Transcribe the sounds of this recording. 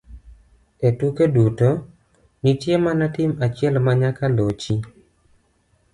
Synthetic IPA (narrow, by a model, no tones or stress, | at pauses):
etukeduto | ɲitjemanatɪmat͡ʃɪɛlmaɲakalot͡ʃi